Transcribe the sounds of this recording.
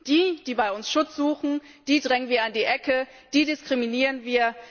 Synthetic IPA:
d̥iːd̥iːbaɪʊnsʃʊt͡sz̥uːxn̩ | d̥iːdʁɛŋənviːɐandiːʔɛkʰə | d̥iːdɪskʁ̥iminiːʁənviːɐ

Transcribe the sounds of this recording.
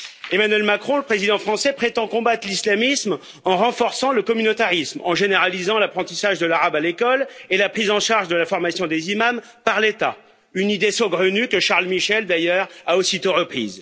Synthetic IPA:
emanɥɛlmakχɔ̃ləpχezid̪ɑ̃fχɑ̃sɛpχet̪ɑ̃kɔ̃bat̪χlislamism | ɑ̃ʁɑ̃fɔʁsɑ̃ləkɔmynot̪aʁismɑ̃ʒeneʁalizɑ̃lapχɑ̃t̪isaʒd̪əlaʁabalekɔlelapχizɑ̃ʃaʁʒd̪əlafɔʁmasjɔ̃d̪ezimampaʁlet̪a | ynid̪esoɡʁənykəʃaʁlmiʃɛld̪ajœʁaosit̪oʁəpχḭːz

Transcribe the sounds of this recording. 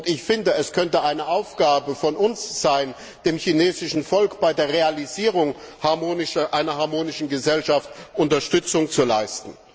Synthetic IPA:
ʊntɪçfɪndəɛskʰœntəʔaɪnəʔaʊfɡ̥aːbəfɔnʊnsz̥aɪn | d̥eːmçineːzɪʃn̩fɔlkb̥aɪdeːɐʁealiziːʁ̞ʊŋ | haɐmoːnɪʃɐʔaɪnɐɦaɐmoːnɪʃn̩ɡəzɛlʃaftʔʊntɐʃtʏt͡sʊŋt͡sulaɪstn̩

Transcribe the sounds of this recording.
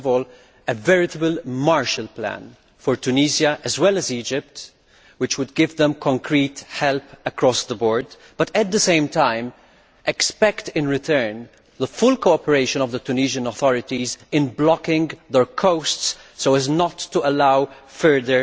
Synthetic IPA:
vɔːl | əvɛɹɪt̪əbəlmaɹʃəlplæ̰̃n | fɔɹt̪uniːsəʔːzwɛləziːd͡ʒɪp̚t | wɪt͡ʃwʊd̪ɡɪvðɛ̃mkʰɔ̃ŋkʰɹiːthɛlpəkɹɔsðəbɔːɹd̪ | b̥ʌtɛt̪̚d̪əsẽɪ̃mtãɪ̃m | ʔɛkspɛktɪ̃nɹɪt̪ʰɜ˞n | ðəfʊlkoʊɔpəɹeɪʃə̃nɔvðət̪uniːʒə̃nɔθɔɹɪt̪izɪ̃nblɔkɪ̃ŋɡðɛɹkʰoʊstssoʊæznɔtːuəlaʊfɜ˞ðəɹ

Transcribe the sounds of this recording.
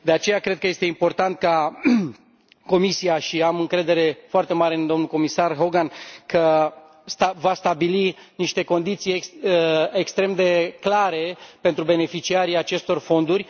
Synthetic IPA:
d̪e̞at͡ʃe̞jakɾed̪kəje̞st̪e̞impo̞rt̪ant̪̚ka | ko̞misiaʃiamɨŋkɾe̞d̪e̞ɾe̞foart̪e̞maɾe̞nd̪o̞mnuko̞misarɦo̞ɡankə | st̪avast̪abiliniʃt̪e̞ko̞nd̪it̪siek | ekst̪ɾe̞md̪e̞klaɾe̞pe̞nt̪ɾube̞ne̞fit͡ʃiaɾiat͡ʃe̞st̪o̞rfo̞nd̪urʲ

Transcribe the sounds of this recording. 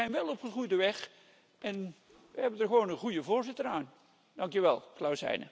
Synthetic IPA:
ɛjnʋɛlˠɔpχəχrujdəʋɛχ | ʔɛn | ʋəɦɛbəndərχəʋoːnənχujəvoːɹzɪtəraːn | dɑŋkjəʋɛ̰lˠklawsɛ̰jnə̰

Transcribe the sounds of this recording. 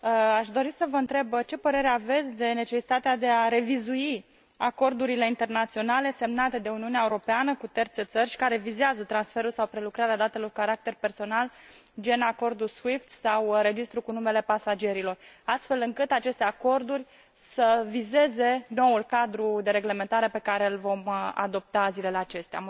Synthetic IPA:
əaʃd̪o̞ɾisəvəɨnt̪ɾe̞bt͡ʃe̞pəɾe̞ɾeave̞t̪sʲd̪e̞ne̞t͡ʃe̞si̥t̪at̪ead̪e̞aɾe̞vizui | ako̞rd̪uɾile̞int̪e̞rnat̪sio̞nale̞se̞mnat̪e̞d̪e̞uniuneaeuɾo̞peanəkut̪e̞rt̪se̞t̪sərʲʃi̥kaɾe̞vizeazət̪ɾansfe̞ɾulsawpɾe̞lukɾaɾead̪at̪e̞lo̞rkaɾak̚t̪e̞rpe̞rso̞nal | d͡ʒe̞nako̞rd̪uswift̪sawɾe̞d͡ʒist̪ɾukunume̞le̞pasad͡ʒe̞ɾilo̞rast̪fe̞lɨŋkɨt̪at͡ʃe̞st̪e̞ako̞rd̪urʲ | səvize̞ze̞no̞ulkad̪ɾud̪e̞ɾe̞ɡle̞ment̪aɾe̞pe̞kaɾe̞ɨlvo̞ma̰d̪o̞p̚t̪azile̞leat͡ʃe̞st̪ea

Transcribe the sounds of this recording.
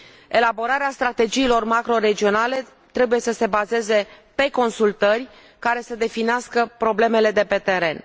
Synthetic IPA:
e̞labo̞ɾaɾeast̪ɾat̪e̞d͡ʒiːlo̞rmakɾo̞ɾe̞d͡ʒio̞nale̞ | t̪ɾe̞buje̞səse̞baze̞ze̞pe̞ko̞nsult̪ərʲ | kaɾe̞səd̪e̞fineaskəpɾo̞ble̞me̞le̞d̪e̞pe̞t̪e̞ɾe̞n

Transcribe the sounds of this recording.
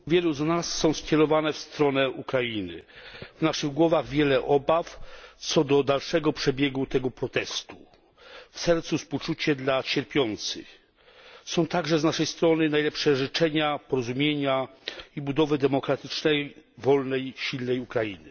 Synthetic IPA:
vʲjɛluznasːɔ̃w̃skʲɛɾɔvanɛfst̪ɾɔnɛukɾainɘ̰vnaʂɘɣɡwɔvaɣvʲjɛlɛʔɔbaft̪sɔd̪ɔd̪alʂɛɡɔpʂɛbʲjɛɡut̪ɛɡɔpɾɔt̪ɛst̪u̥ | fsɛɾt̪susput͡ʂut͡ɕɛd̪lat͡ɕɛɾpʲjɔnt̪sɘ̰x | sɔ̃w̃t̪aɡʐɛznaʂɛjst̪ɾɔnɘnajlɛpʂɛʐɘt͡ʂɛɲapɔɾɔzumʲjeɲaibud̪ɔvɘd̪ɛmɔkɾat̪ɘt͡ʂnɛjvɔlnɛjɕilnɛjukɾaḭnɘ̰

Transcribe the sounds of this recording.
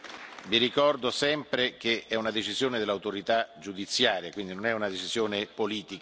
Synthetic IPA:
viɾikɔrd̪osɛmpɾek̟eɛunad̪et͡ʃizjoːned̪elːawt̪oɾit̪ad͡ʒud̪it̪sːjaːɾjakwind̪inonɛunad̪et͡ʃizjoːnepoliːt̪ik

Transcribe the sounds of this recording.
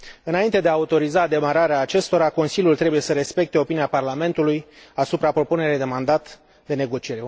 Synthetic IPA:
ɨnaint̪e̞d̪eaːut̪o̞ɾizad̪e̞maɾaɾeaːt͡ʃe̞st̪o̞ɾako̞nsilʲjult̪ɾe̞buje̞səɾe̞spe̞k̚t̪e̞o̞piniaparlame̞nt̪ulujasupɾapɾo̞pune̞ɾejd̪e̞mand̪at̪ | d̪e̞ne̞ɡo̞t͡ʃieɾe

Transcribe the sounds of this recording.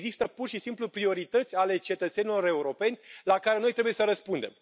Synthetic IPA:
zist̪əpurʃisimplupɾio̞ɾit̪ət̪sʲale̞t͡ʃe̞t̪ət̪senilo̞ɾe̞uɾo̞pe̞nʲlakaɾe̞no̞jt̪ɾe̞buje̞səɾəspund̪e̞̰m

